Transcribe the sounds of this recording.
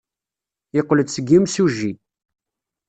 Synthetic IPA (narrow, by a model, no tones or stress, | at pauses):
əqːləd̪səɡːimsuʒːi